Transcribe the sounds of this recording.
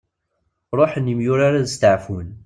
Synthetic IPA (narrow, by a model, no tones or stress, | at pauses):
ɾˤoħnːimjʊɾaɾaðəst̪əʕfʊn